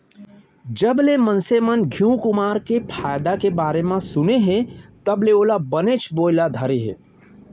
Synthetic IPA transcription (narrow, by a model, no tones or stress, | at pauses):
d͡ʒəblemənsemənɡʱiũkʊmaːɾkepʰaːjd̪akebaːɾemãsʊneɦẽt̪əbleoːlabənet͡ʃʰboːlad̪ʱəɾeɦḛ̃ː